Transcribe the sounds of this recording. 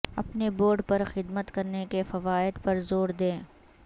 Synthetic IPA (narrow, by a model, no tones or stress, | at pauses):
ɐpneboːɾɖpɐɾxɪd̪mət̪kɐɾnekefɐʋaːɪd̪pɐɾzoːɾd̪ẽː